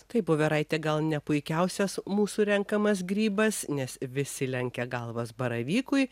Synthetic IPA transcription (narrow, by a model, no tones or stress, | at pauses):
t̪ɐɪpoːʋʲɛɾɐɪt̪ʲɛɡɐlˠnʲɛpʊɪkʲɛʊsʲɛsmuːsuːɾʲɛŋkɐmɐsɡɾʲiːbɐsnʲɛsʋʲɪsʲɪlʲɛŋʲkʲɛɡɐlˠʋɐsbɐɾɐʋʲiːkʊɪ